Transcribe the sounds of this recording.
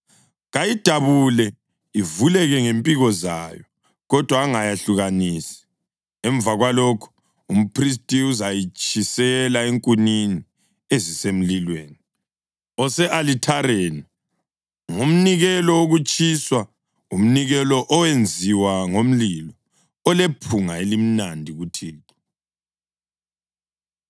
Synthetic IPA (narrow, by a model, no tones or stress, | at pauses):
ɣajid̥ʱaβulɛ | ivulɛɣɛŋempʼiɣɔzajɔ | ɣɔd̥ʱwaːŋajaɬuɣanisi̥ | ɛɱb̪vaɣwalɔkʰu̥ | um̩pʰris̬tʼiuzajit͡ʃʼisɛlaeŋkʼunini | ezisem̩lilweːni | ɔsɛʔalitʰaɾeːni | ŋum̩niɣɛlɔoɣut͡ʃʼiswa | um̩niɣɛlɔʔɔwend͡zʱiwaŋom̩lilɔ | ɔlepʰuŋaelim̩nandʱiɣutʰiːǁɔ̥